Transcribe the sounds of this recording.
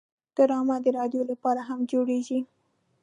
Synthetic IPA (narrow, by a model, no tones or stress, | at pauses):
d̪̥aɾɑmad̪əɾɑd̪jolapɑɾaɦamd͡ʒoɽeʒi